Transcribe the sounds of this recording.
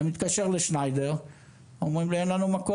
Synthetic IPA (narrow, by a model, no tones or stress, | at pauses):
mit̪kaʃeʁleʃnajd̪eʁ | omʁimleenlanumako